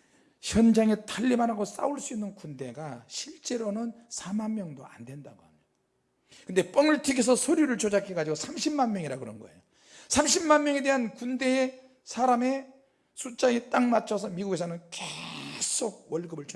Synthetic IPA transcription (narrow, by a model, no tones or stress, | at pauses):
ɕjʌnd͡ʑaŋetaʎːimanɦaɡos͈a̰uɭs͈uinːɯnkunde̞ɡaɕʰiɭt͡ɕ͈e̞ɾonɯnsʰamanmjʌŋdoa̰ndwe̞nda̰ɡohamo | kɯnde̞p͈ʌŋɯɭtʰiɡes̬ʰʌsʰʌɾjuɾɯɭt͡ɕod͡ʑakʰeɡad͡ʑiɡosʰamɕʰimmanmjʌŋiɾakɯɾʌnɡʌ̰ḛjo | sʰamɕʰimmanmjʌŋe̞de̞ɦankunde̞ | sʰaɾame̞ | sʰut͡ɕ͈ait͈aŋmat͡ɕʰʌs̬ʰʌmiɡuɡe̞sʰanɯnkesʰoɡ̚wʌɭɡɯbɯɭt͡ɕ